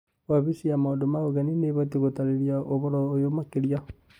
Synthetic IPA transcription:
waβisiamaondomaɣoɣanineβatiɣotaɾeɾjaʔoβɔɾɔojomakeɾia

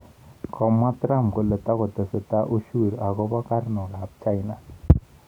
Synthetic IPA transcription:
kɔmːat̪ɾamkolət̪akɔt̪əsət̪aʔuʃuːɾaɡobakaɾnoɡap̚t͡ʃajna

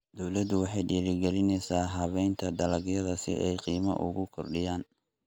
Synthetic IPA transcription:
d̪̥ɔwlɐd̪ʊwɑħɑjɖiːɾɪɡɛlɪnɛjsaːɦɐβɛjnt̪ʰɐd̪ɐlɐɡjɐðɐsɪ̰ʔɛjqiːmɐ̰ʔʊ̰ɣʊkʰɔrɖɪjaːn

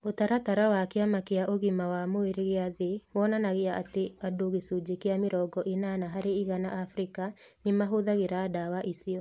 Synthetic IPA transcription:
otaɾataɾawakeamakeaʔoɣimawamoeɾeɣeaðewɔnanaɣeaʔateadoɣesud͡ʒekeameɾɔɡɔʔenanaɦaɾeiɣanaʔafɾikanemaɦoðaɣeɾaːdawaʔisiɔ

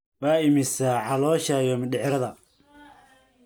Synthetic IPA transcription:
waːɪmɪsaʕɑlɔːʃajɔmɖɪʕɾɐðɐ

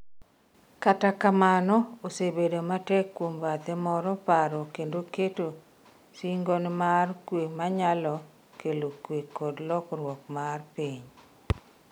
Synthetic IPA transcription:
katakamanɔosebedomatɛkːwombat̪ɛmɔɾɔpaɾɔkendoketo | siŋɡonmarkwemaɲalɔ | kelokwekɔdlɔkɾwɔkmarpiɲ

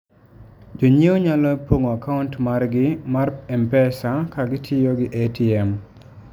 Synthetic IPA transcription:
d͡ʒoɲewoɲalɔpoŋoakaʊntmarɡɪmarɛmpɛsakaɡɪtʰɪjoɡɪʔetiɛm

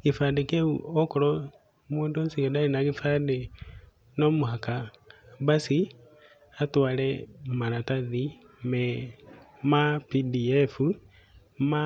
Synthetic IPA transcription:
kifandekeuokoɾo | moːndonsiɣɛdaɾinaɣifande | nomuhaka | βasi | atwaːlɛmaɾataði | mɛ | mapidiɛfu | ma

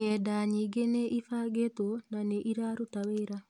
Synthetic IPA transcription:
ɛdaɲiɡeneʔifaɡetonaneʔiɾaɾotaweɾa

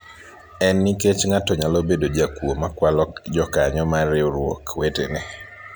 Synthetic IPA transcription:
ɛnːiket͡ʃŋatɔɲalobedod͡ʒakwomakwalɔkd͡ʒɔkaɲɔmaɾɪoɾwo̰kwetḛnɛ

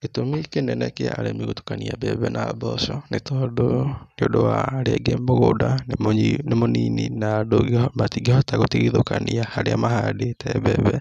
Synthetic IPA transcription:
etomikenɛnɛkea̰aɾemiɣotu̥kaniabɛβɛnabɔsɔnetɔdoneodowaɾeɡemoɣoda | nemonininadoɣematiɡehɔtaɣotiɣiðokaniahaɾeamahadetɛβɛβɛ

